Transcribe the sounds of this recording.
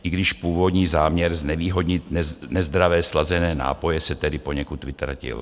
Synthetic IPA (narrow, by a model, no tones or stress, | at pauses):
ʔɪɡdɪʃpuːvo̞d̪ɲiːzaːmɲɛɾznɛviːɦo̞d̪ɲɪt̪nɛzd̪ɾavɛːslazɛnɛːna̰ːpo̞jɛsɛt̪ɛdɪpo̞ɲɛkut̪vɪt̪ɾa̰cɪ̰l